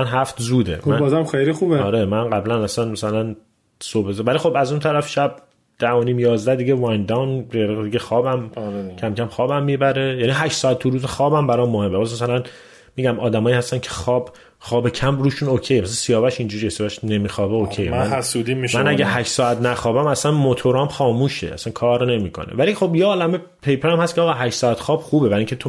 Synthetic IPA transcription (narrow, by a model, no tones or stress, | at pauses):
nɦæft̪zuːd̪ḛmæbɒzamxejlixubeɒːɾemænɢæblænæsænmæsælæn | sobezvælixo̞bæzunt̪ʰæɾæfʃæb̚ | d̪̥æoniːmjɒːzd̪æd̪iɟevɑjnd̪æwneɾid̪iɟexɒːbæmɾcʰæmcʰæmxɒːbæmːiːbæɾejæːniɦæʃsɒːæt̪ʰːuɾuːzexɒːbæmbæɾɒːmːohe̞mːebɒːsmæs̬ælæn | miːɟæmʔɒːd̪æmɒːiːhæst̪æncʰe̥xɒːb | xɒːbe̞cʰæmɾuːʃunocʰejmæsæænsijɒːvæʃind͡ʒuːɾijesijɒvæʃne̞miːxɒːbeokʰejḛmmænæsud̪imiʃmænæɡeɦæʃsɒːæt̪ʰnæxɒːbæmæsænmot̪ʰoɾɒmχɒːmuːʃḛʔæ̰sænkʰɒːɾne̞miːkʰo̞̰nḛvælixo̞bjeɒːlæme | pʰe̞jpʰeɾæmhæst̪kʰeɒːɣɑːɦæʃtsɒæt̪xɒːb̥χuːbebæɾiŋcʰet̪ʰo